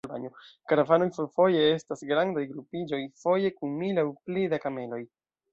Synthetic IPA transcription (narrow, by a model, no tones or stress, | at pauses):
lba̰niokaɾavano̞jfoɾfo̞je̞e̞stasɡɾandajɡɾupid͡ʒo̞jfo̞je̞kunmilawplidakame̞lo̞j